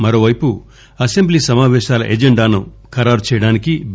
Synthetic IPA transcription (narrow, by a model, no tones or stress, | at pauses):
mɐɾoːʋɐjpu | ɐsembliːsɐmaːʋɛːʃaːlɐ̰ʔed͡ʒeɳɖaːnu | kɐɾaːɾut͡ʃɛːjɐɽaːniki